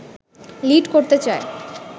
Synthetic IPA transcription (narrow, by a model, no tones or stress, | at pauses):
liʈkoɾt̪et͡ɕae